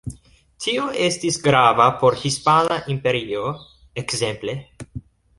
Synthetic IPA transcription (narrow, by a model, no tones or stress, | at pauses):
tʰioʔestisɡɾavapo̞ɾhispanaʔimpe̞ɾio | ekze̞mple̞